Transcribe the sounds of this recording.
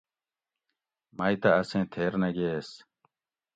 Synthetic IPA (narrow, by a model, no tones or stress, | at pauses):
mɐjt̪ɐɐsẽːt̪ʰeːɾnɐɡeːs